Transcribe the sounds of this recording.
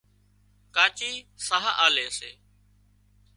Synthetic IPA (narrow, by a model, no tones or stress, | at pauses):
kaːt͡ʃiːsaɦaʔaːleːseː